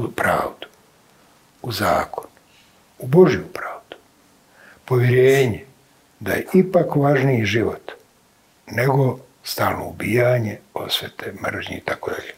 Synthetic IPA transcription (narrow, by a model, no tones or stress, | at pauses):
upɾa̰ːʋd̪u̥ | uza̰ːkʰonu | ubo̞ʒijupɾaːʋd̪̥u̥ | po̞ʋjeɾeːɲe | d̪ajeipakʋaʒnijiʒiʋo̰t̪ | neɡo̞ | st̪aːlno̰ubijaɲeo̞̰sʋʲjet̪emr̩ʒɲiit̪akod̪a̰ʎeː